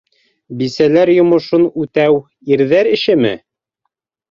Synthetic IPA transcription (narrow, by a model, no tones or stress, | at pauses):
bisælæɾjŏmŏʃonʉt̪æw | iɾðæɾɘ̆ʃɘmɘ̰